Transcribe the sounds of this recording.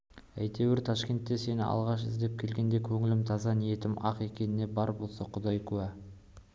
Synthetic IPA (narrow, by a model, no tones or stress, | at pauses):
æ̰jt̪e̞wɪɾt̪ʰɑʃkʲe̞nt̪ːe̞se̞nɪɑ̰lˠʁɑʃɪ̰zd̪e̞p̚kʲʰe̞lɡʲe̞nd̪e̞kʲʰɵŋɪlɪmt̪ʰɑzɑnije̞t̪ɪmɑqe̞kʲe̞nɪne̞bɑɾbo̞lˠsɑqʰʊd̪ɑjkʰʉæ